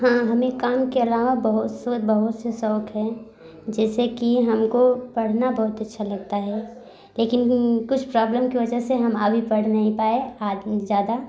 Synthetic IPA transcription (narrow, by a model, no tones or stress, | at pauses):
ɦãːɦɐmẽkaːmkeɐlaːʋabɐɦʊt̪sobɐɦʊt̪sesɔːkɦɛ | d͡ʒɛːsekiɦɐmkopɐɽ̤nabɐɦʊt̪ɐtːʃʰalɐɡt̪aɦɛ | leːkɪnkʊt͡ʃʰpɾaːbləmkiʋɐd͡ʒəɦseɦɐməbʱipɐɽ̤nɐɦĩpaːeaːzjaːd̪a